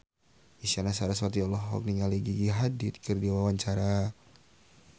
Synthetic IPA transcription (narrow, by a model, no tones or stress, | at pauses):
isanasaɾasat̪iɔlɔɦɔ̰k̚niŋaliɡiɡiɦadɪt̪̚kərdiwawaɲt͡ʃaɾa